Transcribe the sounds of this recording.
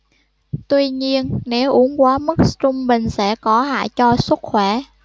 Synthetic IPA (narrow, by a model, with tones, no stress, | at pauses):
t̪wi˧ɲi˧ənːe˨˦wʔu˨˦ənkwaː˨˦mɨ˦˥k̚st͡ɕʊ˧ŋ͡mɓï˨˩ŋ̟sɛ̰˧˥˩kɔ˨˦ɦa̰ː˧˨jt͡ɕɔ˧swə˦˥t̚xwɛ˧˩